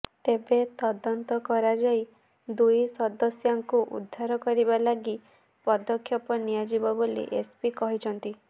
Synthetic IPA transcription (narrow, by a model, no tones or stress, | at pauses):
t̪ebet̪ɔd̪ɔnt̪ɔkɔɾad͡ʒai | d̪ujsɔd̪ɔsjaŋkuʔṵd̪ʱːaɾɔkɔɾibalaɡi | pɔd̪ɔkʰːjɔpɔnijad͡ʒibɔbolḭʔespikɔɦit͡ʃʰɔnt̪i